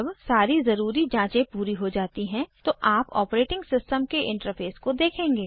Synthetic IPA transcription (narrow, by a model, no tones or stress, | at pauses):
ɐbsaːɾizɐɾuːɾid͡ʒãːt͡ʃẽpuːɾiɦod͡ʒaːt̪iɦɛ̃t̪oʔaːpɔ̰ːpɾeːʈɪ̃ŋɡsɪsʈəmkeʔɪ̃ɳʈəɾfʰeːskod̪eːkʰẽːŋɡeː